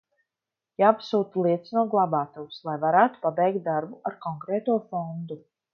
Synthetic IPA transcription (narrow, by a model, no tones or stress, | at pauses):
jaːpsuːt̪lˠiɛt̪snuɔɡlˠabaːt̪uwslˠajvaɾaːt̪u̥pabɛjk̚t̪̚d̪aɾbuaɾkɔŋkɾɛːt̪uɔfɔnd̪u